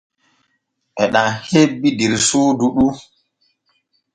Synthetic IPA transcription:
ʔɛɗahebːidiɾsuːduɗu

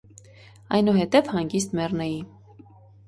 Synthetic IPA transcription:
ɑjnuɦɛt̪ɛvhɑŋɡist̪mɛrnɛji

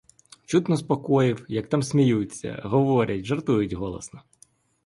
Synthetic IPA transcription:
t͡ʃut̪nɔspɔkɔjɪwjɐk̚t̪amsʲmʲijut͡sʲːɐ̰ɦɔʋɔɾʲɐtʲʒɐrt̪ujʊtʲɦɔlˠɔ̰snɔ

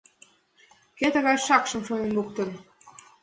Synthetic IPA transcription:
ket̪ə̆ɣɑjʃɑkʃə̆mʃojenluk̚t̪ə̆n

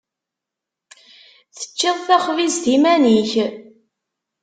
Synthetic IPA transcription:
θə̥t͡ʃːɪðˤθæχvizt̪imæniç

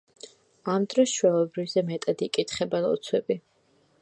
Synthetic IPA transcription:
amd̪ɾɔsʃwɛlˠɔbɾivzɛmɛt̪ʼad̪ikʼit̪χɛbɛnɔ̰t̪sʰwɛbi

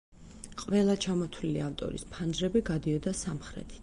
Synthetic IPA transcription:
qʼvɛlˠat͡ʃʰamɔt̪ʰvliliaft̪ʼɔ̰ɾḭspʰand͡ʒɾɛbiɡad̪iɔd̪asamχɾɛ̰t̪ʰi̥

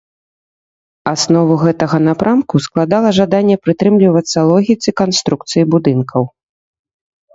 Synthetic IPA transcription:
asnɔvuɣɛt̪ɐɣɐnapɾʔamkusklˠad̪alˠɐʐad̪anʲːɛpɾɨt̪ɾɨmlʲivɐt̪sːɐlˠɔɣʲit̪sɨkanst̪ɾuk̚t̪sɨjibud̪ɨnkʰɐw

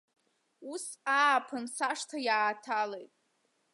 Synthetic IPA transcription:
usaːpʰɨnsaʂtʰajaːtʰalejtʼ

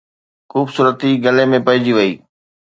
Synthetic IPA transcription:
xuːbsuːɾət̪iɡɐlemẽpɐɦɪd͡ʑiʋɐiː

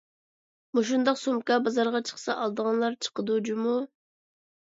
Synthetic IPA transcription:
muʃ̬und̪ɑqsomkɑbɑzɑɾʁɑt͡ʃʰə̥χsɑʔɑlˠd̪əʁɑnlˠɑɾt͡ʃʰə̥qəd̪ud͡ʒumu

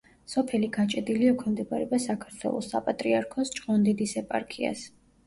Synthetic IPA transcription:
sɔpʰɛliɡat͡ʃʼɛd̪iliɔkʰɛmd̪ɛbaɾɛbasakʰaɾt̪ʰwɛ̰lˠɔ̰sːa̰pʼat̪ʼɾiaɾkʰɔst͡ʃʼqʼɔnd̪id̪isɛpʼa̰ɾkʰia̰s

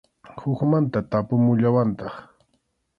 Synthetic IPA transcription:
hʊkmant̪at̪apʊmʊʎawant̪ɑχ

